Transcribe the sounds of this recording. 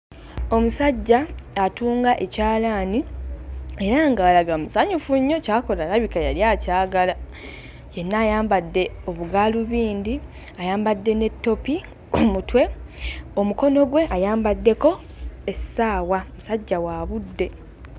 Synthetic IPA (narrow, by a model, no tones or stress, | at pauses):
o̞musaɟːaːtuːŋɡaʔe̞caːlaːni | e̞ɾaŋɡaːlaɡamusaɲufuɲːo̞caːko̞laɾaβikajaljaːcaːɡala | je̞nːaːjaːmbadːe̞o̞βuɡaluβiːnd̪i | ajaːmbadːe̞ne̞tːo̞pi | omutwe̞o̞muko̞no̞ɡwe̞ʔajaːmbadːe̞ko̞ | esaːwaomusaɟːawaːβudːe̞